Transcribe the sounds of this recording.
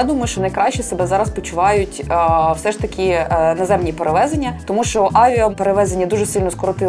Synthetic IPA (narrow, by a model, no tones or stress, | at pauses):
d̪umɔjʊʃt͡ʃɔnɐjkɾɑʃt͡ʃɛsebɛzɑɾɐspɔt͡ʃʊʋɑjʊtʲwsɛʃt̪ɐkʲɪnɐzɛmnʲipeɾeʋɛzenʲːɐt̪ɔmuʃt͡ʃɔʔɑʋʲiɔpeɾeʋɛzenʲːɐd̪uʒesɪlʲnɔskɔɾɔt̪ɪ